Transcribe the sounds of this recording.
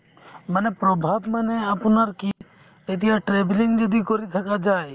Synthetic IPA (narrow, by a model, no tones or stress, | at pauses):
manepɾɔbʱabmaneapɔnaɾki | et̪̬ijaʈɾebliŋd͡ʒɔd̪ikɔɾit̪ʰakad͡ʒaj